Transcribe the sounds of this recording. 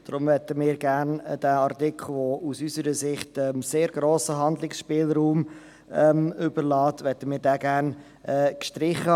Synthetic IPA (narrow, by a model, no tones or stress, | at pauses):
d̪̥ɾʊmvɛtəmɪːɾɡæːɾnd̥æːɑɾtɪkʰχl̩ˠʋousysəɾəsɪχtɛmseːɾɡɾoːsəɦɑnd̪lɪksʃpɪːlɾuːm | ɛmʏbəɾlɑːtʋɛtəmɪːɾdæːɡæːɾn | ʔɛːkʃtɾɪχə